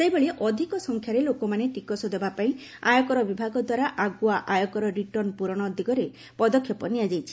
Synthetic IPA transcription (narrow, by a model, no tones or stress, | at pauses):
sejbɔɭiʔɔd̪ʱikɔsɔŋkʰjaɾelokɔmanet̪ikɔsɔd̪ebapaĩ | ajɔkɔɾɔbibʱaɡɔd̪waɾaʔaɡuaʔajɔkɔɾɔɾiʈɔɾnpuɾɔɽ̃ɔːd̪ʱikɔɾe | pɔd̪ɔkʰjɔpɔnijad͡ʒajt͡ʃʰi̥